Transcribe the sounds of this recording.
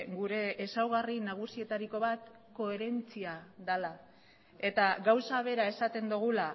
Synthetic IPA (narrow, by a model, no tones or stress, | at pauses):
ɡuɾe̞ːsawɣ̞arinaɣ̞usie̞t̪aɾiko̞βat̪ | ko̞e̞ɾe̞nt͡siaðala | e̞t̪aɣawsaβe̞ɾae̞sat̪e̞nd̪uɣ̞ula